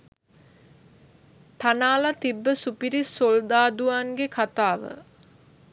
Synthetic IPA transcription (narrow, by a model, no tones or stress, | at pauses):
t̪anaːlat̪ibːəsupiɾisːold̪aːd̪uaŋɡekʰat̪aːʋə̰